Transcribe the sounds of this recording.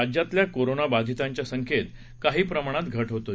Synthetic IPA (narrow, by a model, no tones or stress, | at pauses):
ad͡ʑjat̪ljakoɾonabad̪ʱit̪aɲt͡ɕjasəŋkʰet̪ | kaɦiːpɾəmaɽ̃at̪ɡʱəʈɦot̪o